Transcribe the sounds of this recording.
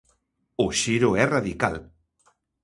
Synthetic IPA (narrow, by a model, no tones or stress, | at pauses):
oʃiɾoɛraðika̰l